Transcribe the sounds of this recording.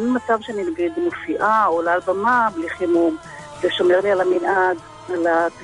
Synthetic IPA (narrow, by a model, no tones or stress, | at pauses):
nmat͡savʃeaninaɡid̪mofiʔaolalbamabliχimum | zeʃomeʁlialaminʔad | alat